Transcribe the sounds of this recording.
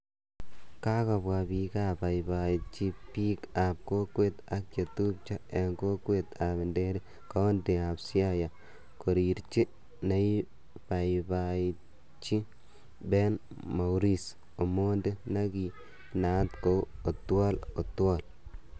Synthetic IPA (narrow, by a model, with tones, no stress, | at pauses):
ka˦ka˨bwa˨bi˨ka˦ba˨jba˨i˨t͡ʃi˦pi˦ka˨p̚ko˦kwe˦t̪a˦k̚t͡ʃe˨tu˦k̚t͡ʃa˦e˨ŋko˦kwe˦˨t̪a˨bɪ˨nde˦ɾi˦ | ka˦o˦nde˨a˨psi˦a˦ja˨ | ko˨ɾi˨ɾt͡ʃi˦ | na˦i˦ | pa˨jba˨ | t͡ʃi˦ | be˦n | ma˨wɾi˦s | o˨mo˦nde˦na˦ki˨ | na˨˦tko˦o˨twa˦lo˨twɔ˦˨l